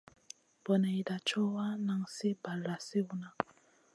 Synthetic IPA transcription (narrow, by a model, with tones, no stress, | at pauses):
bɔ˨na˨i˨da˨t͡ʃɔ˦wa˦na˨ŋsi˦ba˨lɾa˨si˦u˦na˨